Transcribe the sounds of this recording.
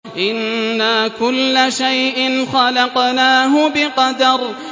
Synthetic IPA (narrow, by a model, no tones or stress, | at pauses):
ʔɪnːaːkʊlːaʃajʔɪnxɑlɑqnaːɦʊbɪqɑd̪ɑɾˤ